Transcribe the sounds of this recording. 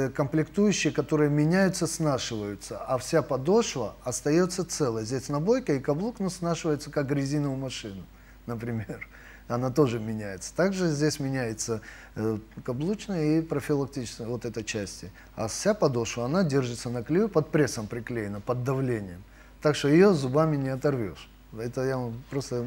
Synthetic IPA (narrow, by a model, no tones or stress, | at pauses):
kəmplʲɪkt̪ujʉɕːɪjəkɐt̪o̞ɾɨjəmʲɪnʲæjʊt̪səsnaʂɨvəjʊt̪səʔɐfsʲapɐd̪o̞ʂvəɐst̪ɐjo̞t̪sːət̪sɛlˠəjəzʲdʲesʲnɐbo̞jkəikɐblˠuknosnaʂɨvəjʊt̪səkak̚ɡɾʲɪzʲinəvʊmɐʂɨnʊ | nəpɾʲɪmʲer | ɐnat̪o̞ʐɨmʲɪnʲæjɪt̪sə̥t̪aɡʐɨzʲdʲesʲmʲɪnʲæjɪt̪sə | kɐblˠut͡ɕnəjəipɾəfʲɪlˠɐk̚tʲit͡ɕɪ̥skʲvot̪ɛt̪əjt͡ɕæsʲtʲɪ | a̰fsʲapɐd̪o̞ʂvəɐnadʲe̞rʐɨt̪sənəklʲɪjʲupɐt̪̚pɾʲe̞səmpɾʲɪklʲejɪnəpəd̪ːɐvlʲenʲɪjəm | t̪akʂt̪ojɪjo̞zʊbamʲɪnʲɪɐt̪ɐrvʲo̰ʂ | ɛt̪əjapɾo̞st̪ə